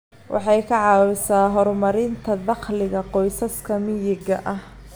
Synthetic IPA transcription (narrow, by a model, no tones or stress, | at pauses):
wʔɑ̰ħɑjkʰɐʕɑːwɪsaːɦɔrmɐɾɪnt̪ʰɐðɑqlɪɣɐqɔjsɐskʰɐmɪjɪɡɐ̰ʔɐh